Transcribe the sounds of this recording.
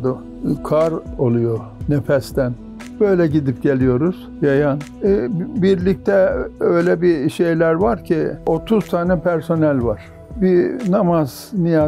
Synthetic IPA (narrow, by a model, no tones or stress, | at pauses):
d̪ʊ | kʰaɾo̞lˠujo | nefɛst̪ʰæn | bø̞jlʲɛɟid̪ip̚ɟe̞lʲijo̞ɾuz̥jajan | biɾlʲic̚t̪ʰɛøjlʲɛbiʃe̞jlʲæɾvaɾcʰio̞t̪ʰuz̥t̪ʰaːnɛpʰæɾso̞nɛlʲvaɾ̥ | binamaz̥ | nija